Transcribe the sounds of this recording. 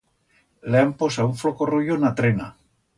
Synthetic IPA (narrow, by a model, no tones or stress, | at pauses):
leamposauɱflokorojonat̪ɾena